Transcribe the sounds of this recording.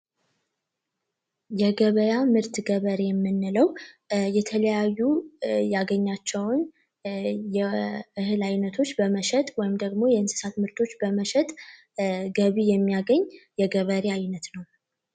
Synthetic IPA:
jɛɡəβəjamɨɾt̪ɡəβəɾejɛmːɨnːɨləwjɛt̪ʰələjajːujaɡəɲːat͡ʃːɛwn | jɛɨhɨlajnət̪ʰo̞t͡ʃːbəməʃɛt̪ʼwɔjɪmd̪əɡmo̞jɛɨnsɨ̥sat̪mɨɾt̪ʰo̞t͡ʃːbəməʃɛt̪ʼ | ɡəβijɛmːijaɡəɲːjɛɡəβəɾeajnət̪nəw

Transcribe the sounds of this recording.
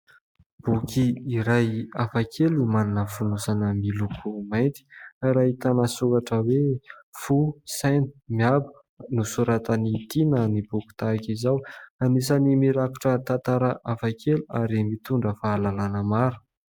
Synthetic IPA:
b̥ukiːɾajafakʰelumaninəfunusanəmilukʰumajnt̪i̥aɾait̪anasukaʈ͡ʂəwefusanumiabu̥ | nusuɾat̪ənit̪inənibuku̥t̪aakizawanis̬animiɾaku̥ʈ͡ʂət̪ant̪aɾəʔafakʰeluaɾimit̪uɳɖ͡ʐəfaːlalanəmaɾu̥

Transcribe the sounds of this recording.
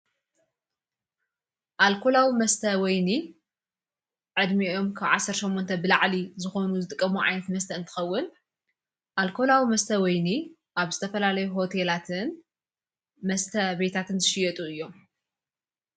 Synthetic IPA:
ʔalkʰo̞lawimɐst̪ʰɐwɔjni | ʕɨd̪mio̞mkʰaβʕasːɐɾt̪ʃo̞mːont̪ʰɐbɨlaʕlizɨxo̞nuzɨt̪ʼɨkʼːɐmuʕa̰jnɐt̪mɐst̪ʰɐɨnt̪ʰɨ̥xɐwːʊn | ʔalkʰo̞lawimɐst̪ʰɐwɔjni | ʔaβzɨt̪ʰɐfɐlalɐjuɦo̞t̪ʰelat̪ʰɨn | mɐst̪ʰɐbe̞t̪ʰat̪ʰɨnzɨʃɪjɐt̪ʼuɨjːo̞m

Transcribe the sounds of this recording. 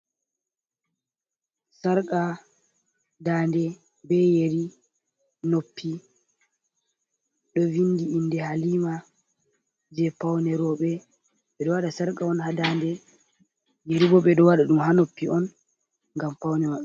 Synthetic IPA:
saɾkʼa | daːndɛ | bɛjeɾi | nopʰːi | ɗɔvindiindɛhaliːma | d͡ʒɛpawnɛɾɔɓɛ | ɓɛɗɔwaɗasaɾkaɔnhadaːndɛ | jeɾibɔɓɛɗɔwaɗaɗumhanopːiɔn | ŋɡampawnɛmaɗ

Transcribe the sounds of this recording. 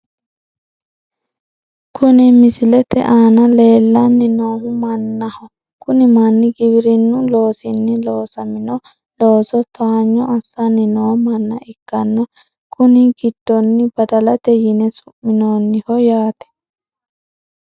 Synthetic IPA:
kʰʊnɪmɪsɪlɛt̪ɛ̰ʔaːnɐle̞ːlːɐnːɪnoːɦʊmɐnːɐhɔ | kʊnɪmɐnːɪɡɪbɪɾɪnːʊlo̞ːsɪnːɪloːsɐmɪnɔ | loːsɔt̪ɐaɲːɔɐsːanːɪnoːmɐnːɐʔɪkːɐnːɐ | kʰʊnɪɡɪd̪̥ːɔnːɪbɐd̪ɐlɐt̪ɛjɪnɛsʊ̥mmːɪnoːnːɪhɔjaːt̪ɛ̥

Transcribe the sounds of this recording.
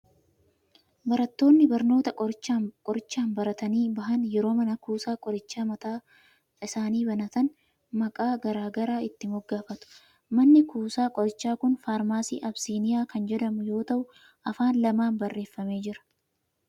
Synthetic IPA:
bɐɾɐt̪ːo̞ːnːɪbɐɾno̞ːt̪ɐkʼɔɾɪt͡ʃːaːkʼɔɾɪt͡ʃːaːnbɐɾɐt̪ɐniːbɐɦɐnjɛɾo̞ːmɐnɐkuːsaːkʼɔɾɪt͡ʃːaːmɐt̪aː | ɪsaːniːbɐnɐt̪ɐn | mɐkʼaːɡɐɾaːɡɐɾaːɪt̪ːɪmɔɡːaːfɐt̪ʊ̥ | mɐnːɪkʰuːsaːkʼɔɾɪt͡ʃːaːkʊnfaːɾmaːsḭːʔɐbsiːnɪjaːkɐnd͡ʒɛd̪ɐmʊjo̞ːt̪ɐʔʊ | ʔɐfaːnlɐmaːnbɐrːe̞ːfːɐme̞ːd͡ʒɪɾɐ̥

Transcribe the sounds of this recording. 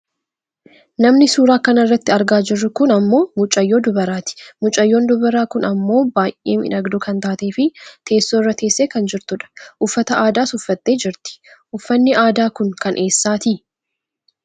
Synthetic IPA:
nɐmnɪsuːɾaːkɐnɐrːɐt̪ːɪɐɾɡaːd͡ʒɪrːʊkʊnɐmːo̞ːmʊt͡ʃʼːɐjːo̞ːd̪ʊbɐɾaːt̪ɪ̥mʊt͡ʃʼɐjːo̞ːnd̪ʊbɐɾaːkʊnɐmːo̞ːbaːjʔʔḛːmɪ̰nɐɡd̪ʊkɐnt̪aːt̪e̞ːfɪt̪ʰe̞ːsːoːrːɐt̪e̞ːsːeːkɐnd͡ʒɪɾt̪ʊᶑɐ̥ʔʊfːɐt̪ɐʔaːd̪aːsʊfːɐt̪ːe̞ːd͡ʒɪɾt̪ɪ̥ʔʊfːɐnːɪʔaːd̪aːkʊŋkɐnʔe̞ːsːaːt̪ɪ

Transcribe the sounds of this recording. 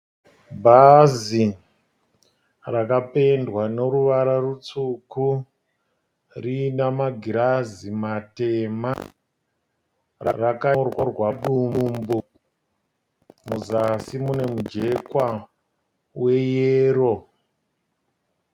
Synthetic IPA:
bʱazi | rakape̞ndwano̞ɾuʋaɾarut͡suku | rinamaɡʱiɾazimatema | ra̰rakarworwaɗumbu | muzasimune̞mud͡ʒe̞kwa | we̞jeːɾo̞

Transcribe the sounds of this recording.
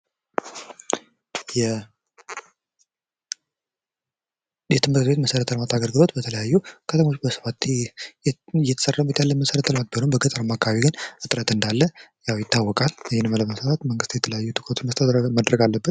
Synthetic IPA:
jɛ | jɛt̪ʰɨmɨɾtt̪bet̪məsəɾət̪ʰələmat̪ʰaɡəɾɡɨlo̞t̪bət̪ʰələjajːukʰət̪əmo̞t͡ʃːbəsə̥fat̪ | jɛt̪ʰəsərabet̪jalːənməsəɾət̪ʰələmat̪̚bələmbəɡət̪ʼəɾəmakʰːaaβiɡɨnɨt̪ʼɾət̪ɨnd̪alːəjawjɪt̪ʰːawːɔkʼalɨjːɪnɨmləməsəfat̪məŋɡɨst̪jɛt̪ʰələjajːut̪ʰɨkʰʼɾot̪unməst̪ʰəd̪ɾmad̪ɾəɡalːəbːət̪

